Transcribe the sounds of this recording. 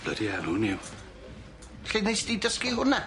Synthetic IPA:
b̥lə̰dianuniw | ɬejnejsd̥idəskiɦʊna

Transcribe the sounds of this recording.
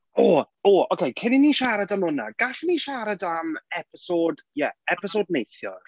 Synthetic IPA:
oː | oːokʰejkʰɪniniʃaɾadamʊna̰ɡ̥aɬniʃaɾadamɛpʰɪsodjɛɛpʰɪsodnejθjɔ̰r

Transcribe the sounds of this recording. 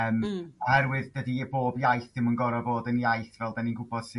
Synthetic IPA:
əːmahɛɾwɨðdədiəboːbjajθd̥ɪmunɡɔɾɔboːdənjajθvɛlˠdaninɡʊbɔd̥sɪ

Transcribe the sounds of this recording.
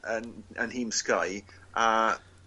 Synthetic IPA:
ənə̰nhiːmskaj | a

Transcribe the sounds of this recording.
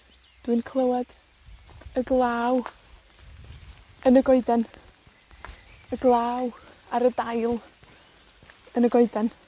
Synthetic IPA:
d̥wɨnkʰlˠəwɛd̥ | əɡlˠaːw | ənəɡɔɨdɛn | əɡlˠaːw | aɾədajlˠ | ənəɡɔɨdɛn

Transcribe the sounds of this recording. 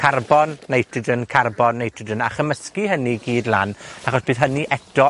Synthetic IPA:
kʰarbɔnːejtʰɪdənkʰarbɔnːejtʰɪdənaχəməskiɦəniɡiːdlˠanaχɔsb̥ɨːðɦəniʔɛdɔ

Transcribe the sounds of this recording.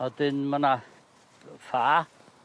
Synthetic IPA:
ɔd̪ɪnməna | fa

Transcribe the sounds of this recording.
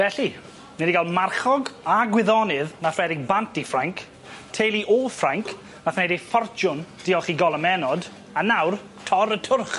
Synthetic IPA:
vɛɬi | nɛdiɡalˠmarχɔɡaɡwɪðɔnɪðnafrɛɾɪɡ̚bantifraŋkʰ | tʰejlˠiʔɔfraŋkʰ | naθnedejfɔrt͡ʃʊnd̥ɪɔχiɡɔlˠəmɛnɔd | anawr | tʰɔɾətʰʊrχ

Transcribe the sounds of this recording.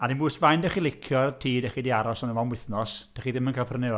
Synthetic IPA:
adinbuːsvajndɛχilˠɪkʰjɔətʰiːdɛχidiaɾɔsɔnəmɔmwɪθnɔsd̥ɛχiðɪmənkʰalˠpʰrənɛɔ

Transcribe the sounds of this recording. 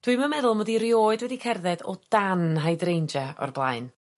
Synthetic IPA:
d̥wɨmamɛðʊlˠmɔdiɾjoːɨdwɛdikʰɛrðɛdɔd̥anɦajdrejnd͡ʒaɔ̰rblˠaɨn

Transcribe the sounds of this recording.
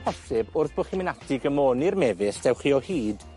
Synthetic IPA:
pʰɔsɪbʊrθb̥oχimɪnatʰɪɡəmoːnirmɛvɪsdɛwχiːɔhiːd̥

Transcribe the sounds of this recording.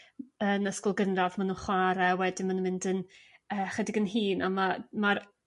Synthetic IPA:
ənəskʊlˠɡənravmanuːnχwaɾɛwɛdɪmanunmɪndənəːχwɛdɪɡənɦiːnamamaɾ

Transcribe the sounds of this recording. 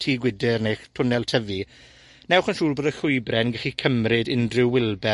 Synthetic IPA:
tʰiːɡwɪdɪrnejχtʰʊnɛlˠtʰəvi | nɛwχənʃuːlˠboːdəɬʊɨbrɛnɡəχikʰəmrɪdɪndrɪwːɪlˠbɛ

